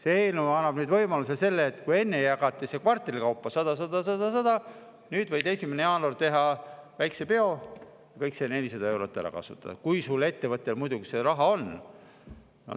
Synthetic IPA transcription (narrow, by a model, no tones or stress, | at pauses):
seeːlnuɑnːɑb̥nyːd̪vɤ̞jmɑlus̬ese̞lːeːt̪ˑkuje̞nːejɑɡɑt̪ːˑise̞kvɑrt̪ːˑeɾikɑwpːˑɑsɑd̪ɑs̬ɑd̪̥ɑs̬ɑd̪ɑsɑd̪̥ɑ | nyːd̪vɤjd̪e̞sʲimeneɑːnort̪e̞ɦɑvæjksepe̞o̞ | jɑkɤjksene̞lʲisɑd̪̥ɑe̞wɾo̞t̪ˑːæ̰ɾɑ̰kɑ̰sṵt̪ːˑɑ̰d̪ɑkujsulːe̞t̪ːe̞vɤt̪ˑːe̞lmujd̪ukseɾɑɦɑo̞n | no̰